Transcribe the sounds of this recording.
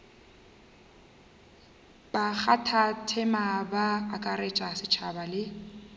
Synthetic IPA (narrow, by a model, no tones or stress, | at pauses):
bak͡xʰatʰatʰɛmabaːkʼaret͡ʃʼasɪt͡ʃʰa̰balɪ